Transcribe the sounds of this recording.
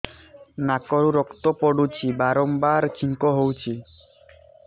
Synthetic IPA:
nakɔɾuɾɔkt̪opɔɽut͡ʃʰibaɾɔmbaɾkʰiŋkɔɦowt͡ɕʰi

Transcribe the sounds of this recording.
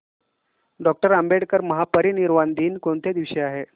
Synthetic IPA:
ɖɔk̚ʈəɾambeɽkəɾməɦapəɾiniɾʋand̪iːnkoɳt̪ʰed̪iʋɕeaɦe

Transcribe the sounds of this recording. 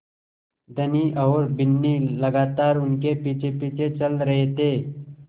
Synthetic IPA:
d̪əniʔɐːɾbɪnːiləɡaːt̪aːɾʊnkepiːt͡ʃʰepiːt͡ʃʰet͡ʃəlɾɐɦet̪eː

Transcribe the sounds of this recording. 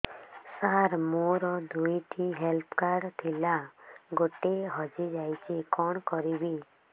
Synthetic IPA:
saɾmoɾɔd̪uiʈ̪ʰiɦelpkaɾɖt̪ʰilaɡoʈeɦɔd͡ʒid͡ʒajt͡ʃekɔɳkɔɾibi

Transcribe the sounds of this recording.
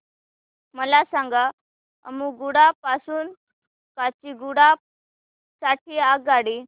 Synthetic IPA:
məlasaŋɡa | ə̰muɡuɽapasuːn | kat͡ɕiɡuɽa | saʈʰiaɡ̚ɡaɽi

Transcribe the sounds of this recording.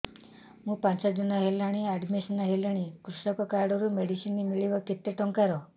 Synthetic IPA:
mũpãt͡ʃɔd͡ʒunɔɦelaɽ̃iaɖmesɔnɔɦelaɽ̃ikɾusɔkɔkaɾɖɔɾumeɽisinːimiɭiʋɔket̪jɔʈɔŋkaɾɔ

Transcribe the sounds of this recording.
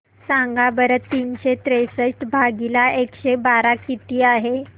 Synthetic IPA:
saŋɡabəɾət̪ːiːnɕet̪ɾesəʂʈbʱaɡilaʔekɕebaɾakit̪iːaɦe

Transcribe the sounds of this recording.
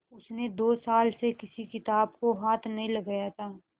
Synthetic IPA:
ʊsned̪oːsaːlsekɪsikɪt̪aːbkoɦaːt̪ʰnɐɦĩlɐɡəjat̪ʰaː

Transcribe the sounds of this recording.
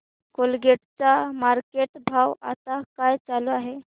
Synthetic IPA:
kolɡeʈt͡samaɾkeʈbʱawa̰t̪akajt͡saloaɦe

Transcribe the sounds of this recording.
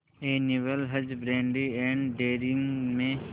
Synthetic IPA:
eːniʋəlɦəd͡ʒbɾẽːɳɖiɛ̃ːɳɖɖeːɾɪŋmẽː

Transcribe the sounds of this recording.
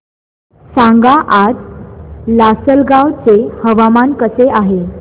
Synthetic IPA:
sãŋɡaʔad͡z | lasəlɡawt͡sehəʋamankəseʔaɦe

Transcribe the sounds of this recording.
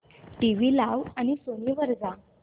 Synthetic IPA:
ʈiʋilaʋanisoniʋəɾd͡za

